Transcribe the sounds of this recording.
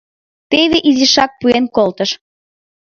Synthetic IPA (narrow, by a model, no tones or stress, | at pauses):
t̪eβeʔizʲiʃɑk̚puenkolt̪əʃ